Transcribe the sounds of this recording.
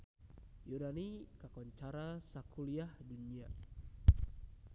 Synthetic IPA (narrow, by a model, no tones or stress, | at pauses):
junanikakɔɲt͡ʃaɾasakuliahdunia